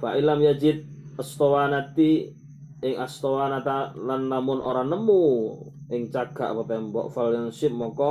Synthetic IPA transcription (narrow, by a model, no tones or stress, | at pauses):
faʔilamjad͡ʒɪt̪̚əst̪owanat̪i | ɪŋast̪owanat̪alanːamʊnʔo̰ɾanəmu | ɪŋt͡ʃaɡ̥a̰ʔpat̪ɛmbɔ̰ʔfaljansɪp̚mɔkɔ